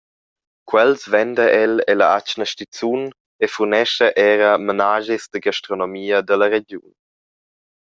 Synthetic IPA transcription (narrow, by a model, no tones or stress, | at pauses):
kwɛlsvɛnd̪əʔɛlelaat͡ʃnəʃtit͡sun | efurnɛʃəʔɛːɾəmənaːʒisd̪əɡaʃtɾonomiːəd̪ələɾeɟjṵn